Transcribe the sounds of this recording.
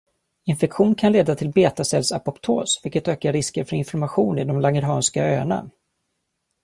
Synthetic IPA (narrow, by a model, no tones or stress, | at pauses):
ɪnfɛkɧuːnkʰanleːd̪at̪ʰɪlbeːt̪asɛlsapɔpt̪ʰoːsvɪlkət̪øːkaɾɪskəɾfœɾɪnfɔɾmaɧuːnɪd̪ɔmlaŋəɾɦɑːnskaøːna̰